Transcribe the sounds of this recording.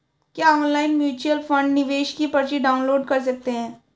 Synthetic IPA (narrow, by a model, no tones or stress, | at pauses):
kjaɔnlainmjuːt͡ɕuəlfə̃ɳɖniʋeɕkipəɾɕiɖaw̃nloːɖkəɾs̬ək̚t̪eɦɛ̃ː